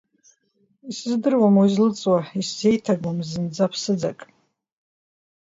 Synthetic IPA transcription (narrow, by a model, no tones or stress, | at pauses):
isɨzdɨrwamwaizlɨt͡sʼwaisze̞jtʰaɡʷamzɨnd͡zapʰsɨd͡za̰kʼ